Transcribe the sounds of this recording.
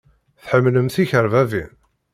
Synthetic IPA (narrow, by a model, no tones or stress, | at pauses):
θħəmːləmθiçəɾvævḭn